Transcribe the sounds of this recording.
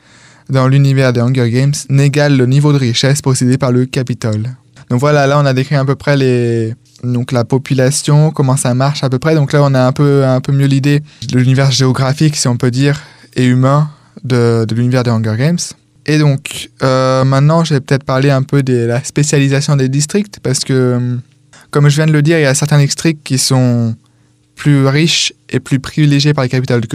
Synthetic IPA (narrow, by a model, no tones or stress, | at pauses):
d̪ɑ̃lynivɛʁd̪eɑ̃ɡœʁɡɛmsneɡalːənivod̪əʁiʃɛspɔsed̪epaʁləkapit̪ɔl | d̪̥ɔ̃kvwalalaɔ̃nad̪ekχiɛ̃pøpχɛle | d̪ɔ̃klapɔpylasjɔ̃kɔmɑ̃samaʁʃapøpχɛd̪ɔ̃klaɔ̃naɛ̃pøɛ̃pømjølid̪edəlynivɛʁʒeɔɡʁafiksiɔ̃pød̪iːʁeymɛ̃ | d̪əd̪əlynivɛʁd̪eʁɔ̃ɡɛʁɡɛms | ed̪ɔ̃kømɛ̃t̪nɑ̃ʒəvɛpə̥t̪ɛt̪χəpaʁleɛ̃pød̪elaspesjalizasjɔ̃d̪ed̪is̬t̪χik̚t̪paʁsə̥kə | kɔmʒəvjɛ̃d̪ələd̪iʁiljasɛʁt̪ɛ̃d̪ɛkst̪χikkʲːisɔ̃ | plyʁiʃeplypχivileʒjepaʁlekapit̪ɔld̪ək